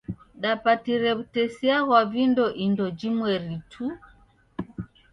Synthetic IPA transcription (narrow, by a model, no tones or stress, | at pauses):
ɗapatiɾɛβutɛsiaɣwavindɔʔindɔd͡ʒimwɛɾitʰu